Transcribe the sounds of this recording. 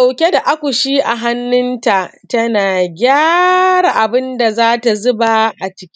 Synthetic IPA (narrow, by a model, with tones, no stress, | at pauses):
a˨wkʲe˦da˨ʔa˦kʷu˨ʃiː˦ʔa˨ɦa˦nːɪ˦nta˨ʔtɐ˦naː˨ɡʲaː˦ɽa˨ʔa˨bɪ˦nda˨zaː˦ta˨zʊ˦ba˨ʔa˨t͡ʃɪ̥˦kʲ